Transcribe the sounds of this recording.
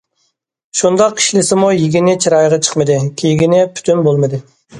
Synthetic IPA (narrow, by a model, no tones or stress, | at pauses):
ʃund̪ɑqi̥ʃlɪsɪmujiɡʲinɪt͡ʃʰiɾɑjʁɑt͡ʃʰə̥qmɨd̪ɨkʲʰejɡʲinɛpʰy̥t̪ʰynbolˠmɨd̪ɨ